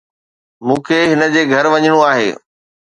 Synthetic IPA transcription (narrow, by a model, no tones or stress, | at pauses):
mũːkʰeɦɪnə̆d͡ʑeːɡʱɐɾʋɐɲɪɽ̃oaːɦḛː